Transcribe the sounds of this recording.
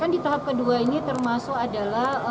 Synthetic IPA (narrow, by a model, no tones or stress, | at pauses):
kandit̪aɦap̚kəduainit̪ərmasʊkadalah